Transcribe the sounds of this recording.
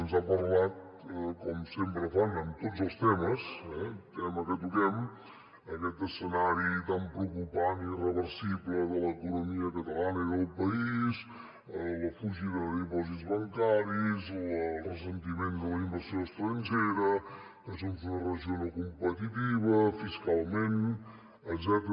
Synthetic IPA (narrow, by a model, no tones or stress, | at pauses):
ənzapəɾlat̪̚kɔmsempɾəfanənt̪ozəlˠst̪ɛməsɛt̪ɛməkət̪ukɛm | əkɛt̪əsənaɾit̪ampɾəukupanirəβəɾsiβləðələkunumiəkət̪əlanəiðəlˠpəiiz | ələfuʒiðəðipɔzit̪zβəŋkaɾizlərəsənt̪imend̪ələimbəɾsioəst̪ɾənʲd͡ʒeɾə | kəsont̪unərəʒionokumpət̪it̪iβəfiskalˠmen | əɡzɛt̪